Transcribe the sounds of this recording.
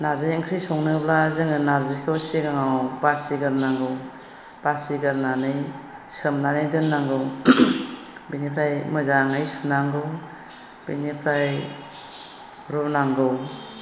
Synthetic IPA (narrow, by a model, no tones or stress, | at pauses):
naɾziŋkʰɾisɔŋnɯblazɯŋɯnaɾzikʰɯwseɡaŋawbasiɡɯɾnaŋɡɯw | b̥asiɡɯɾnanɯj | sɯmnanɯjdɯnːaŋɡɯw | binipʰɾajmɯzaŋɯjsunaŋɡɯw | b̥inipʰɾaj | ɾɔnaŋɡɯw